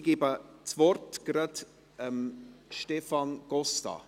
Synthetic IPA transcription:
ɡ̥ibət͡svɔrtɡ̥ɾɑd | əmʃtɛfɑnɡ̥ɔstɑ̰

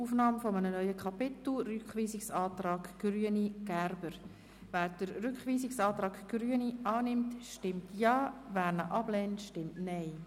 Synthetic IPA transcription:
uːfnɑːmfɔmənənœʏəkʰɑpɪtl̩ˠrʏkχʋiːsɪksɑːtɾɑːɡɡ̥ryəniɡ̥ærbəɾ | væːɾd̥əɾːʏkχʋiːsɪksɑːtɾɑːkɡ̥ryəniɑːnɪmtʃtɪmtʰjɑːvæːɾnəʔɑb̥lɛːntʃtɪmtnɛɪ

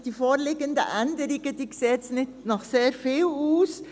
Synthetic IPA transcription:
d̥iːfoːɾlɪɡəndə̰ʔɛndəɾɪɡəd̥iːkseːtt͡snɪtnɑχseːɾfiːluːs

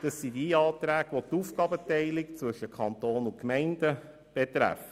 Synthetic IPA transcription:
d̥ɑsːidiɑːtɾæːɡʋot̪uːfɡɑːbətɛɪlikt͡sʋvɵʃəkʰɑnt̪oːnʊkmɛɪndə | b̥ɛt̪ɾæ̰fə

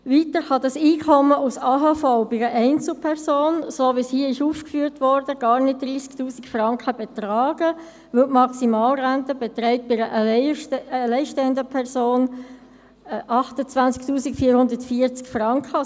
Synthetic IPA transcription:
vitəɾχɑdɑsiːkʰɔməusɑːɦɑfɔʊbɪɡəʔɛɪnt͡sl̩pʰɛʁsoːnsoːʋishiːɪʃuːfkfyːɾtʋɔɾd̥əɡ̥ɑːʁnɪt̚d̥ɾiːsktuːsikfrɑŋkχəbɛt̪rɑːɡ̥ə | ʋɵʊtmɑksimɑːlʁæntəbɛt̪rɛɪt̚bɪɾəʔ | əlɛɪʃtɛəndəpʰɛʁsoːn | ʔɑχtət͡svænt͡sk̚tuːsikfiːəɾhʊndəɾtfiəɾt͡skfrɑŋkχə

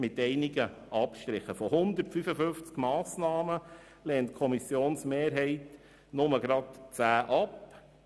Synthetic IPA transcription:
mɪt̪ɛɪnɪɡə | ʔɑpʃt̪ɾɪχəfɔhʊnd̪əɾtfyfəfɵnft͡skmɑːsnɑːmə | lɛːnt̚kʰɔmisjoːnsmeːɾɦɛɪt | nʊməɡɾɑtt͡sæːʔɑp

